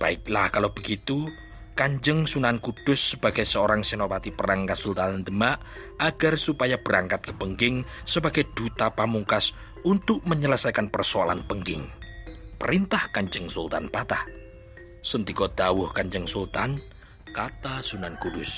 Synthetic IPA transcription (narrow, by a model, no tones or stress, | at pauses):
b̥aɪk̚lahkalob̥əɡit̪u | kaɲd͡ʒəŋsunankud̥ʊsːəb̥aɡ̥ajsəoɾaŋsənopat̪ipəɾaŋkasult̪anand̪əmaʔ | aɡ̥arsupajab̥əɾaŋkat̪̚kəpəŋɡɪŋsəba̤ɡ̥ɛd̪̥ut̪apamuŋkas | unt̪ʊʔ̚məɲələsajkanpərsoala̰npəŋɡɪŋpəɾint̪ahkaɲd͡ʒəŋsult̪anpat̪ah | sənt̪ikɔd̪̥awʊhkaɲd͡ʒəŋsult̪an | kat̪asunankud̥ʊs